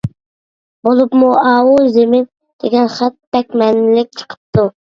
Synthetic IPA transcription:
bolˠupmuɑːwuzemɪn | d̪̥eɡʲɛnχæt̪̚b̥ɛk̚ʲmɛnɪlɪk̚ʲt͡ʃʰə̥qʰə̥p̚t̪u

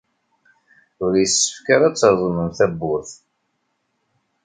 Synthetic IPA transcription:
ʊɾjəsːə̥fkaɾat͡sːɾðˤməmθæbːʊθ

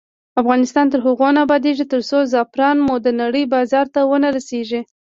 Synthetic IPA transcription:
afɣɑnɪst̪ɑnt̪əɾɦʊɣonabɑd̪eʒit̪əɾsozɑpɾɑnmod̪ənaɽəjbɑzɑɾt̪awənaɾaseʒi

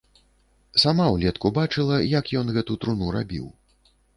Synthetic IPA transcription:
samawlʲɛt̪kubat͡ʂɨlˠɐjakjɔnɣɛt̪ut̪ɾunuɾa̰bʲḭw

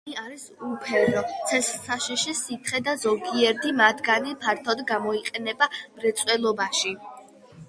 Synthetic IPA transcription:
iaɾisupʰɛɾɔt̪sʰɛssaʃiʃisit̪ʰχɛd̪azɔɡiɛɾd̪ʰimat̪ʰɡanipʰaɾt̪ʰɔd̪ɡamɔiqʼɛnɛbamɾɛt̪sʼwɛlˠɔbaʃi

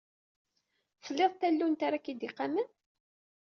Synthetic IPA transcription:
fəlːeðˤt̪ːælːunt̪aɾakid̪iqːamən

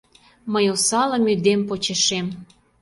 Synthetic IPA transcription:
məjosɑlə̆myd̪empot͡ɕeʃem

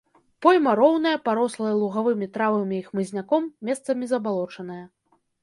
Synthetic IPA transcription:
pɔjʲmɐɾɔwnɐjɐpaɾɔslˠɐjɐlˠuɣavɨmʲit̪ɾavɨmʲiixmɨzʲnʲakɔmːʲɛst̪sɐmʲizɐbalˠɔt͡ʂɐn̪ɐjɐ

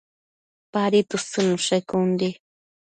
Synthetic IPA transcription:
paɾit̪usɨnuʃajkund̪i

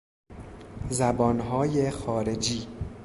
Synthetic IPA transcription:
zæbɒːnɦɒːjexɒːɾe̞d͡ʒiː

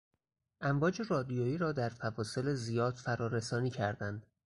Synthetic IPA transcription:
ʔæmvɒːd͡ʒe̞rɒːd̪ijoːjiːɾɒːd̪æɾfævɒːse̞lezijɒːd̪fæɾɒːɾe̞sɒːniːcʰæɾd̪ænd̪̥

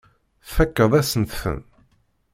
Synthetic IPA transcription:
fækːəðˤæsənt̪fə̰n

